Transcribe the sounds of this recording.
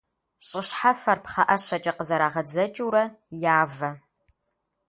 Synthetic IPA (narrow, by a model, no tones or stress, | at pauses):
ɕʼɪɕħafɐrpχɐʔɐɕɐt͡ʃʼɐqəzɐɾaːʁɐd͡zɐt͡ʃʼuːɾɐjaːvɐ